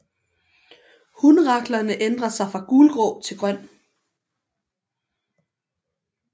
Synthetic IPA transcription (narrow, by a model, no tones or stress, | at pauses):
hunʁɑ̈ɡ̥lɐnəʔend̥ʁɐsɑ̈ɪfʁɑ̈ɡ̥uːlɡ̥ʁɔʊt͡sʰe̝lɡ̥ʁɶn̰